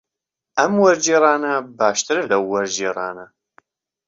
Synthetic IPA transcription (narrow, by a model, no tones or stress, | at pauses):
ʔɐmwɐɾd͡ʒiːɾˤɑːnɐbaːʃt̪ʰɨɾɨlɐwːɐɾd͡ʒiːrɑ̰ːnɐ